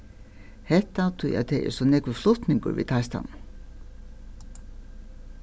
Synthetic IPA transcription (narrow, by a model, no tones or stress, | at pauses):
hɛht̪ːat̪ʰʊja̰ðt̪ʰɛɛ̰ɾsɔnɛkvʏflʊht̪nɪŋkʊ̰ɾvḭt̪ʰajst̪a̰n